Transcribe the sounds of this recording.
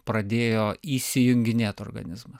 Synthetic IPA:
pɾɐd̪ʲeːjoːiːsʲɪjʊŋʲɡʲɪnʲeːt̪oːrɾɡɐ̰nʲɪzmɐs

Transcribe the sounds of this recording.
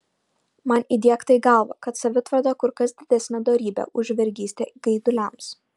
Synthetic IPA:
mɐnid̪ʲiɛkt̪ɐɪɡɐlˠʋɐ̰kɐt̪sɐʋʲɪt̪ʋɐɾd̪oːkʊɾkɐsd̪ʲɪd̪ʲɛsʲnʲɛd̪oːɾʲiːbʲɛ̰ʔʊʒʲʋʲɛɾʲɡʲiːsʲt̪ʲeːɡɐɪd̪ʊlʲɛms

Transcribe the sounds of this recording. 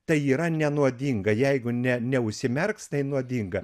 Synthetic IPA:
t̪ɐɪiːɾɐnʲɛnuɔd̪ʲiːŋɡɐjɛɪɡʊnʲɛnʲɛʊʃʲsʲɪmʲɛrkst̪ɐɪnuɔd̪ʲiŋɡɐ

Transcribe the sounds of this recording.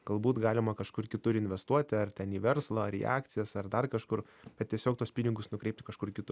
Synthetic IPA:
ɡ̥ɐlˠbuːt̪ɡɑːlʲɪmɐkɐʃkʊrkʲɪt̪ʊɾɪnʲʋʲɛst̪uɔt̪ʲɪɐrt̪ʲɛniːʋʲɛɾslˠɐɐɾḭʔɑ̰ːkt̪sʲɪjɛsɐrd̪ɐrkɐʃkʊɾ | b̥ʲɛt̪̚tʲiɛsʲoːk̚t̪uɔspʲɪnʲɪɡʊsnʊkɾʲɛɪpt̪ʲɪkɐʃkʊrkʲɪt̪ʊ

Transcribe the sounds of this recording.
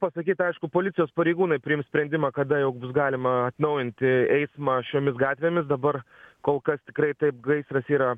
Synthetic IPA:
pɐsɐkʲiːt̪ɐɪʃkʊpoːlʲɪt̪sʲɪjoːspɐɾʲɛɪɡuːnɐɪpʲɾʲɪɪmsʲpʲɾʲɛnʲd̪ʲɪmɑːkɐd̪ɐjɛʊbʊs̬ɡɑːlʲɪmɐɐt̪nɐʊjɪnʲt̪ʲɪɛɪsmɑːʃʲoːmʲɪsɡɑːt̪ʲʋʲeːmʲɪsd̪ɐbɐrkoːlˠkɐst̪ʲɪkɾɐɪt̪ɐɪp̚ɡɐɪsɾɐsiːɾɐ

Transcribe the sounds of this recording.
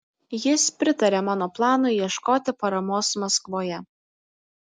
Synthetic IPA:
jɪspʲɾʲɪt̪ɐɾʲeːmɑːnoːplˠɑːnʊiɛʃkoːt̪ʲɪpɐɾɐmoːsmɐskʋoːjɛ

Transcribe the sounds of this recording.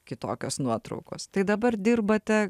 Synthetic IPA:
kʲɪt̪oːkʲoːsnuɔt̪ɾɐ̰ʊko̰ːst̪ɐɪd̪ɐbɐrd̪ʲirbɐt̪ʲɛ

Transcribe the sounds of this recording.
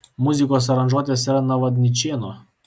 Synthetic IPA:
mʊzʲɪkoːs̬ɐɾɐnʒuɔt̪ʲeːsiɾɐnɐʋɐd̪ʲnʲɪt͡ʃʲeːno

